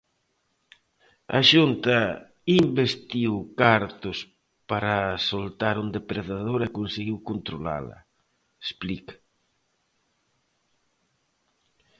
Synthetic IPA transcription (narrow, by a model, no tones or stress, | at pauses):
a̰ʃunt̪ɐ | imbest̪iwkaɾt̪ʊs | paɾasolt̪aɾund̪epɾeðaðoɾekonseɣiwkont̪ɾola̰lɐ̰ | esplik